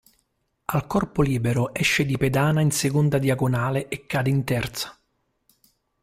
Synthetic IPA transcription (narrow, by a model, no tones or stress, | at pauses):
alkɔrpoliːbeɾoʔɛʃːed̪iped̪aːnainsekond̪ad̪iaɡonaːleʔekːaːd̪eint̪ɛrt̪sḁ